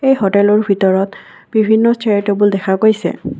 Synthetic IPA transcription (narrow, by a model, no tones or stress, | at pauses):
ejɦotɛlɔɹbʱitɔɹɔt | b̥ibʱinːɔstʰetobuldɛkʰakojsɛ̰